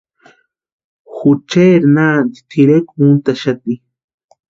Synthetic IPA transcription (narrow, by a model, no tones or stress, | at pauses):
xut͡ʃeɾnaːnd̪i̥t̪ʰiɾekmunt̪aʃat̪i